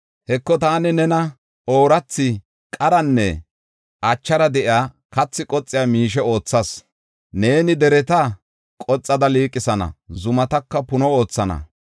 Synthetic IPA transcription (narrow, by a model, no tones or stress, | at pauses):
hɛkːɔt̪aːnɪnɛnɐ | oːɾɐt͡sːɪ | kʼɐɾɐnːɛ̰ | ʔɐt͡ʃːɐɾɐd̪ɛʔɪjaː | kɐt͡sːɪkʼɔt͡sʼːɪjaːmiːʃ̬ɛo̞ːt͡sːɐs | ne̞ːnɪd̪ɛɾɛt̪ɐ | kʼɔt͡sʼːɐd̪ɐliːkʼːɪsɐnɐ̰zʊmɐt̪ɐkːɐpʊnɔo̞ːt͡sːɐnɐ̰